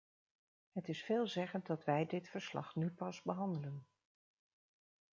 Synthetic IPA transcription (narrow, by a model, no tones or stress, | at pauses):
ɦətɪsfeːlˠzɛχənt̚dɑtʋɛjdɪtfəɹslɑ̰χnypɑzbəɦɑndələn